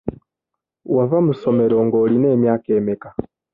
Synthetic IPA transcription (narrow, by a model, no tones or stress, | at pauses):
wavamusɔmɛɾɔŋɡɔlinɛmjakɛmɛka